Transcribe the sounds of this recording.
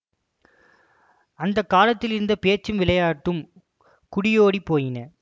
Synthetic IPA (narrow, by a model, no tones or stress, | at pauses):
ɐnd̪ɐkːaːlɐt̪ːɪlɪɾɯnd̪ɐpeːt͡ʃːɯmʋɪlɐjaːʈːɯm | kʊɽɪjoːɽipːoːjɪnɐ